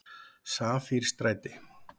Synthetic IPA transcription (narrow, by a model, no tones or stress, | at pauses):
saːfiɾ̥st̪ɾaːjt̪ɪ